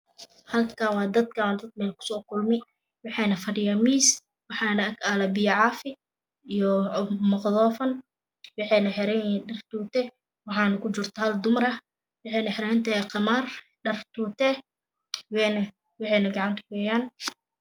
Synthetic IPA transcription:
hɐlkʰaːwɑːd̪ɐd̪kʰɐwaːd̪ɐd̪̚mɛːlkʰʊ̥sɔːkʰʊlmɪ | wɑħɑːnɐfɐɖɪjaːmiːs | wɑħɑːnɐɐkaːlɐbiːʕɑfɪ | ijɔmɐqðɔːfɐn | wɑħɛːnɐħɪɾɛnɖɐrt̪uːt̪ʰɛ | wɑħɑːnɐkʰʊd͡ʒɪrt̪ʰɐhɐld̪ʊmɾɐ | wɑħɛːnɐħɪɾɛːnt̪ʰɐhɛqɑmaːr | ɖɐrt̪ʰuːt̪ʰɛ | wɛn | wɑħɛːnɐɡɑʕɑnt̪ʰɐ̥kɛːjaːn

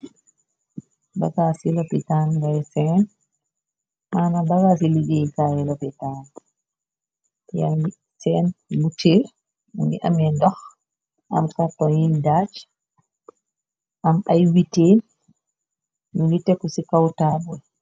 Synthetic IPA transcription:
ba̰kasilɔpitaːnŋɡajsɛn | manabakasiliɡɛjkajɛlɔpitaːn | ja̰i | tɛnmutʰeɾ | nɡiʔa̰mɛndɔx | ʔa̰mkatːɔjindat͡ʃ | ʔamajwiteːn | minitːɛkusikawtabuɛ

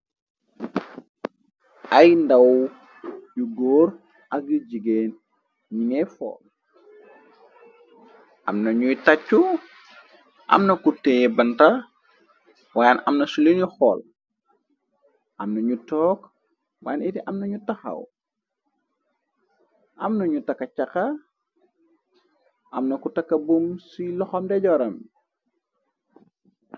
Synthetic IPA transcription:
ʔajndaw | juɡoːɾ | ʔɐk̚ːid͡ʒiɡeːn | ɲiŋɛjfɔ̰ːl | ʔa̰mnɐɲujtat͡ʃːu | ʔa̰mnɐkutejɛbɐnta | wajanamnɐsulinuxɔːl | ʔɐmnɐɲutɔːk | wa̰jɐnitiʔɐmnɐɲutɐxɐ̰w | ʔɐmnɐɲutɐkːɐt͡ʃɐkɐ | ʔɐmnɐkutɐkːɐbumsilɔxɐmdɛɟɔɾɐm

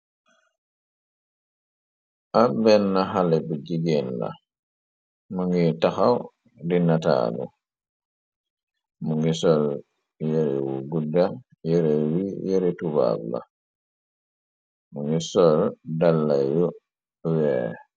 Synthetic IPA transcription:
ʔabɛnːaɦalɛbuɟiɡenla̰ | muŋɡitaxaw | dinata̰ːlṵ | muŋɡisɔl | jeɾiwuɡuda | jɛɾewijɛɾituba̰bːa̰ | muŋɡisɔldalːaju | wɛ

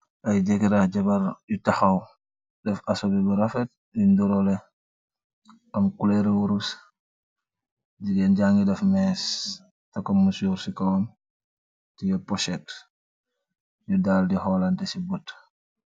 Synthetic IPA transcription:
ʔajd͡ʒɛkiɾaɟabaɾjutaxaw | dɛfasɔbɛbəɾafɛt̚ | junduɾɔlɛ | ʔamkulɛɾwuɾus | d͡ʒiɡɛnɟaŋɡidɛfmɛs | takɔmusuɾsikɔwɔn | tijɔpɔʃɛt | judaldihɔlandɛsibut

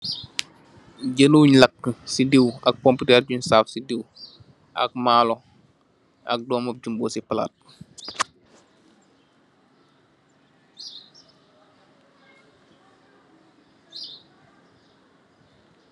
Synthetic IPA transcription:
ɟənuɲlɐkːsidiwɐk̚kɔmputɛːrɟuɲsaːfsidiw | ʔɐ̰k̚maːlɔ | ɐ̰k̚dɔːmɐp̚d͡ʒumboːsipɐla̰ːt̚

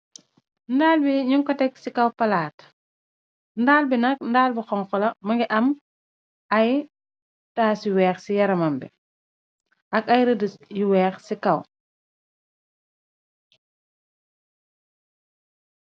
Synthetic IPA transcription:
ndaːlbiɲuŋkɔtɛksikɐwpɐlaːt | ndaːlbinɐk̚ndaːlbixɔŋkɔlɐmɐŋɡiʔɐm | ɐj | taːsiwɛːxsijɐɾɐmɐmbɛ | ʔɐkɐjɾədəjiwɛːxsikɐw

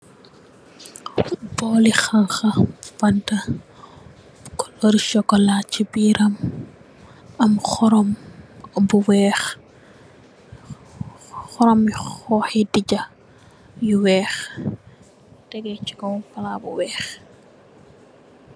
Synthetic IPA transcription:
bɔːlixaŋxɐfɐntɐ | bkɔ̥lɔɾiʃɔkɔlat͡ʃːibiɾɐm | ɐmxɔɾɔm | buwɛːx | xɔɾɔmxɔːxɛdiɟɐ | juwɛːx | tɛɡɛt͡ʃikɔpɐlabṵwɛːx

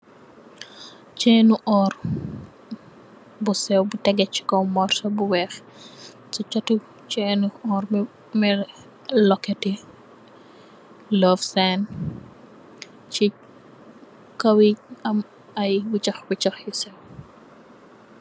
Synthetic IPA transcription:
t͡ʃeːnuʔɔr | busɛwbutɛɡɛt͡ʃːi̥kɔwmɔːrsɐbuwɛx | sɔt͡ʃɔtu | t͡ʃɛːnuɔr | mɛ | lɔkːɛti | lɔːfsɛn | t͡ʃi | kɐwiɐm | ɐjwut͡ʃɐxwit͡ʃɐxjisɛw

